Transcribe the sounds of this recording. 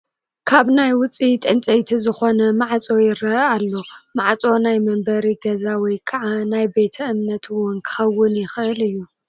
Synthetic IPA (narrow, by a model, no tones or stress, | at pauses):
kʰaβnajwʊt͡sʼit̪ʼɨnt͡sʼɐjt̪ʰizɨxo̞nɐmaʕt͡sʼo̞jɪɾɐalːo̞maʕt͡sʼo̞najmɐmbɐɾiɡɐzawɔjkʰɐʕanajbe̞t̪ʰɐʔɨmnɐt̪ʰwɔnkʰɨ̥xɐwːʊnjɪxʔɨlɨjːu